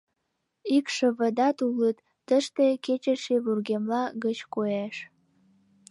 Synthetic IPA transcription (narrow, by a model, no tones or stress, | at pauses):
ikʃəβəd̪ɑt̪ulət̪ːəʃt̪eket͡ɕəʃeβurɣemlɑɣət͡ɕkojeʃ